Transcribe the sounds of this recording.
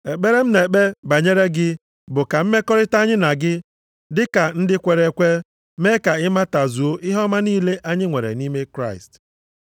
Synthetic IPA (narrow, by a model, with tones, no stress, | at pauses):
e˨k͡pe˦ɾe˦m̩˦ne˨k͡pe˦ba˨ɲe˦ɾe˦ɡɪ˦ | bʊ˨ka˨m̩˦me˦kɔ˦ɾɪ˦ta˦ɲɪ˦na˨ɡɪ˦ | dɪ˦ka˨n̩˦dɪ˦kʷe˨ɾe˨kʷe˦ | me˦ka˨ɪ˦ma˦ta˨zu˨o˦ʔɪ˦ɦɔ˦ma˦niː˦le˦ʔa˦ɲɪ˦ŋʷe˨ɾḛ˨ni˦me˦kɾa˦˨ɪ̰˨st